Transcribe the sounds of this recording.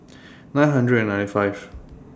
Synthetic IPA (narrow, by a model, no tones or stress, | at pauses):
nãɪ̃nɦʌ̃ndɹədə̃nːãɪntifaɪv̥